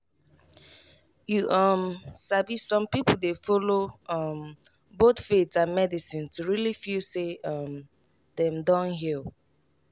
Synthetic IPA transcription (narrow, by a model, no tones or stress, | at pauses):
juʔʌmsavissɔ̃mpipl̩ˠdefɔloʌm | botfetsãnmɛdisĩntʰuɹilifiseʌm | dɛ̃mdɔ̃nɦilˠ